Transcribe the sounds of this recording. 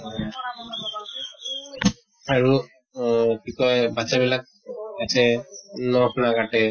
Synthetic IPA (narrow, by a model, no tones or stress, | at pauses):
aɹu | kikɔjbat͡ʃabilak̚ | asɛnɔkʰunaɡaʈɛ